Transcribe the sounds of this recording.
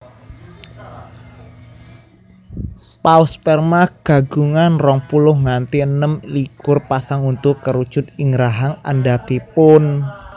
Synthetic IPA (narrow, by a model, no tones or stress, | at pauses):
pauspɛrmaɡ̥a̤ɡ̥uŋanrɔŋpulʊhŋant̪iənəmlikʊrpasaŋunt̪ʊkəɾud̥ʒ̥ʊ̤t̪̚iŋɾaɦaŋa̰nɖab̥ipʊn